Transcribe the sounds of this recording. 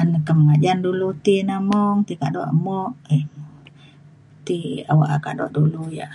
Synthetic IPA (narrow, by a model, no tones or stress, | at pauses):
anəkəmŋad͡ʒandulut̪inamɔŋt̪ikaʔdɔʔmɔʔ | t̪ia̰waʔakaʔdɔ̰ʔduluja̰ʔ